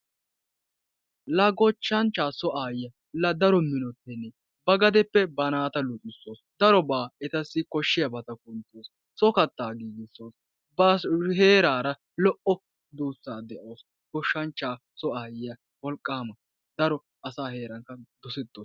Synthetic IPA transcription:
lɐɡɔt͡ʃːɐnt͡ʃːaːsɔʔaːjɪjɐ | lɐd̪ɐɾɔmɪnɔt̪ːɛnːɛ | bɐɡɐd̪ɛpːɛbɐnaːt̪ɐlʊʔʼɪsːo̞ːsd̪ɐɾɔbaːɛt̪ɐsːɪkɔʃːɪjɐbɐt̪ɐk̚ʊnt̪ːoːs | sɔkɐt̪ːaːɡiːɡɪsːo̞ːs | bɐhe̞ːɾaːɾɐ | lɔʔɔ | d̪uːsːaːd̪ɛʔoːs | kɔʃːɐnt͡ʃːaː | sɔaːjɪjɐ | wɔlkʼːaːmɐ | d̪ɐɾɔ | ɐsaːhe̞ːɾɐŋkɐd̪ɔsɛt̪ːoːs

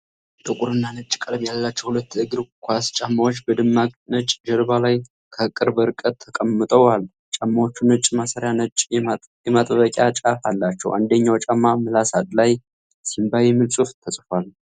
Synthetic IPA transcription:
t̪ʼəkʼuɾɨnːanɨt͡ʃʼːkʼəɾbjalːat͡ʃːɛwhulət̪ːɨɡɾkʰʷast͡ʃʼamːawot͡ʃːbəd̪ɨmːakʼnɨt͡ʃʼd͡ʒəɾbalaj | kʰəkʼɨɾbəɾɨkʼət̪ʰːəkʼəmːɨt̪ʼəwal | t͡ʃʼamːawot͡ʃːunɨt͡ʃʼmasəɾjanət͡ʃʼ | jɛmat̪ʼβəkʼjat͡ʃʼafalːat͡ʃːɛ̰wʔa̰nd̪əɲːawt͡ʃʼamːamɨlasat̪ʼlaj | simbajɛmɨlsʼuft̪ʰəsʼfal

